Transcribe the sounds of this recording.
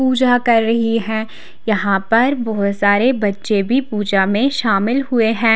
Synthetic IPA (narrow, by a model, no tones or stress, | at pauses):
puːd͡ʒakɐɾːɐɦiɦɛ̃ː | jɐɦãpɐɾbɔːt̪saːɾebɐtːʃebʱipuːd͡ʒamẽʃaːmɪlɦʊeɦɛ̃ː